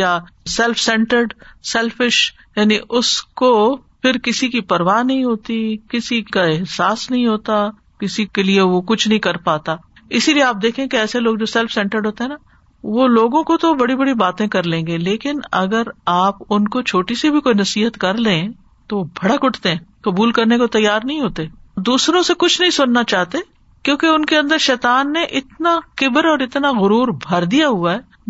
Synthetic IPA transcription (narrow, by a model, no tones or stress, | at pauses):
jasɛlfsɛ̃ɳʈəɾɖsɛlfɪʃ | jaːniʔʊsko | pʰɪɾkɪsikipɐɾʋaːnɐɦĩɦoːt̪ikɪsikaɪɦsaːsnɐɦĩɦoːt̪a | kɪsikelieʋokʊt͡ʃʰnɐɦĩkɐɾpaːt̪aː | ɪsilieaːp̚d̪eːkʰẽkeɛːseloːɡd͡ʒoːsɛlfsɛ̃ːɳʈəɾɖɦoːt̪eɦɛ̃na | ʋoloːɡõkot̪obɐɽibɐɽibaːt̪ẽkɐɾlẽːŋɡeleːkɪnɐɡəɾaːpʊnkot͡ʃʰoːʈisibʱikoːinɐsiːɦət̪kɐɾlẽː | t̪oobʱɐɽakʊʈʰt̪eɦɛ̃ːkɐbuːlkɐɾnekot̪ɐjːaːɾnɐɦĩɦoːt̪eːd̪uːsɾõsekʊt͡ʃʰnɐɦĩsʊnːat͡ʃaːɦt̪e | kjõːkeʊnkeɐ̃nd̪əɾʃɛːt̪aːnːeʔɪt̪nakɪbəɾɔːɾɪt̪naɣʊɾuːɾbʱɐɾd̪ijaɦʊaɦɛː